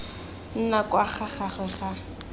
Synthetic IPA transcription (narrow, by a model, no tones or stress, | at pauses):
n̩nakʼwaχaχaχwɛχa